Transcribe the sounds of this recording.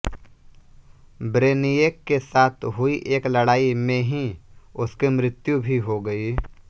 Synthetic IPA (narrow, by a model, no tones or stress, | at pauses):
bɾeːnijeːkːesaːt̪ʰɦʊiʔeːklɐɽaːimẽɦĩʊskimɾɪt̪jubʱiɦoɡəi